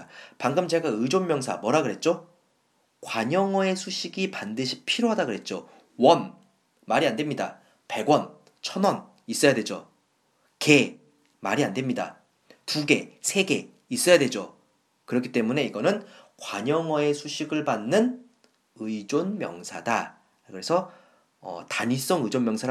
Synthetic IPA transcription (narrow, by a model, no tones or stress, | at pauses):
paŋɡɯmt͡ɕe̞ɡaɯd͡ʑonmjʌŋsʰa̰mwʌɾaɡɯɾɦe̞t̚t͡ɕ͈o | kwaɲʌŋʌe̞sʰuɕʰiɡipandɯɕʰi̥pʰiɾoɦadaɡɯɾɦe̞t̚t͡ɕ͈o | wʌnː | aɾiandwe̞mɲida̰ | pe̞ɡwʌn | t͡ɕʰʌnʌn | is͈ʌjadwe̞d͡ʑo | ke̞ | maɾiandwe̞mɲida̰ | tuɡe̞sʰe̞ɡe̞ | is͈ʌjadwe̞d͡ʑo | kɯɾʌkʰi̥t͈emune̞iɡʌnɯnkwaɲʌŋʌe̞sʰuɕʰiɡɯɭbanːɯn | ɯid͡ʑonmjʌŋsʰa̰da̰ | kɯɾe̞sʰʌ | ʌ̰taɲis͈ʌŋɯid͡ʑonmjʌŋsʰaɾ